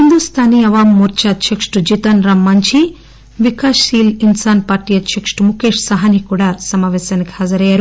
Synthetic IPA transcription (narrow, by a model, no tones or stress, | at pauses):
hɦind̪ust̪ʰaːniɐʋaːmːuɾt͡ʃaːt̪t͡ʃekʂʈud͡ʒit̪ɐnɾaːmːɐɲt͡ʃʰi | ʋikaːʂiːlinsaːnpaːɾʈijɐt͡ʃʰekʂʈumukeːʂsɐɦɐnikuːɽaːsɐmaːʋɛːsjaːniki̥haːd͡ʒɐɾɐjaːɾu